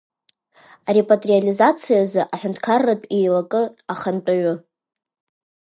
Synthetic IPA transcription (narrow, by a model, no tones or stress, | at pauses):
aɾepʼatʼrializat͡sʰijazɨʔaħʷᶣʊntʰkʰarːapʼejlakʼɨaχant͡pʼaɥʷʊ